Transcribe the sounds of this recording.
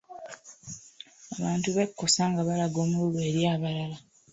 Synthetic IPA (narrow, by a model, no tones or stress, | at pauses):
aβaːntuβekːo̞saːŋɡaβalaɡo̞ːmululweɾjaːβalala